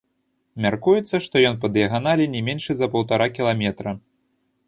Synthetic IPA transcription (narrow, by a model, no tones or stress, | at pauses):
mʲarkujut̪sːɐʂt̪ɔjɔnp̬ɐd̪jɐɣanalʲinʲɛmʲenʲʂɨzɐpɐwt̪aɾakʲilˠamʲɛt̪ɾɐ